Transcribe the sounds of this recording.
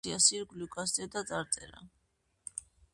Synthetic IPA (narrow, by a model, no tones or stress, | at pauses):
iasiɾɡlukʼas̬d̪ɛd̪at̪sʼaɾt̪sʼɛ̰ɾa̰